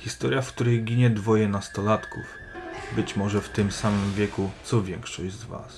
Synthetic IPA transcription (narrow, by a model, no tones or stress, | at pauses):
xʲist̪ɔɾʲjafkt̪uɾɛjɡʲiɲɛd̪vɔjɛnast̪ɔlat̪kuv | bɘt͡ɕmɔʐɛft̪ɘmsamɘmvʲjɛkut̪sɔvʲjɛŋkʂɔʑd͡ʑzva̰s